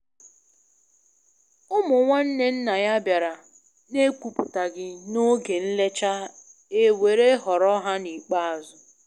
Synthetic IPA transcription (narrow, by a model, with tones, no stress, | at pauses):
ʊ˦mʊ˨ŋʷa˦n̩˦ne˦n̩˦na˨ja˦bja˨ɾa˨ | ne˦kʷu˨pʊ˨ta˨ɡɪ˦no˦ɡe˨n̩˦le˦t͡ʃa˦ | e˨we˨ɾe˦ɦɔ˨ɾɔ˦ɦa˦ni˨k͡pa˦a˨zʊ˨